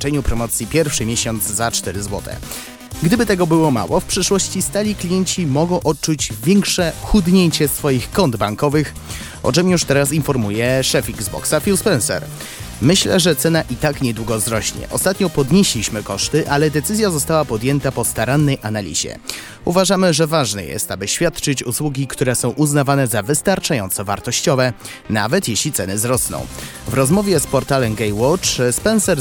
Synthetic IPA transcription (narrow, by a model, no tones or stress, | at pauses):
t͡ʂɛɲupɾɔmɔt̪sʲjipʲjɛɾfʂɘmʲjeɕɔnd̪zzat͡ʂt̪ɛɾɘzwɔ̰t̪ʰɛ̰ | ɡd̪ɘbɘt̪ɛɡɔbɘwɔma̰wɔfpʂɘʂwɔɕt͡ɕist̪alʲiklʲijɛɲt͡ɕimɔɡɔ̃w̃ʔɔt̚t͡ʂud͡ʑvʲjɛŋkʂɛxud̪ɲeɲt͡ɕɛsfɔjixkɔnd̪baŋkɔvɘx | ʔɔ̰t͡ʂɛmjuʂt̪ɛɾasinfɔɾmujɛʂɛfiɡzbɔ̰ksafʲilspɛnsɛ̰ɾ | mɘɕlɛ̰ʐɛt̪sɛnaʔit̪akɲɛd̪wuɡɔzɾɔɕɲɛ̰ʔɔst̪at̪ɲɔpɔd̪ɲeɕlʲiɕmɘkɔʂt̪ɘʔalɛd̪ɛt̪sɘzʲjazɔst̪awapɔd̪jɛnt̪apɔst̪aɾanːɛjʔanalʲḭʑɛ̰ | uvaʐamɘʐɛvaʐnɛ̰jɛ̰st̪abɘɕfʲjat̪t͡ʂɘt͡ɕuswuɡʲikt̪uɾɛsɔ̃w̃ʔuznavanɛzavɘst̪aɾt͡ʂajɔnt̪sɔva̰ɾt̪ɔɕt͡ɕɔvɛ | na̰vɛt̪jeɕlʲit̪sɛnɘzɾɔsnɔ̰̃w̃ | vɾɔzmɔvʲjɛspɔɾt̪alɛmɡɛjwɔt͡ʂspɛnsɛɾ